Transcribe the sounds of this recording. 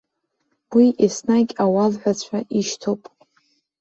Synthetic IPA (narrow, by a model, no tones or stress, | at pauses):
wiʔisnakʲʼawalħʷat͡ɕʷʰaʔiʃtʰowpʼ